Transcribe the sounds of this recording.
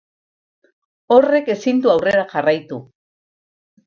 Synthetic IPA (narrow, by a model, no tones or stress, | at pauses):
o̞re̞ke̞sind̪uawre̞ɾaʝarajt̪u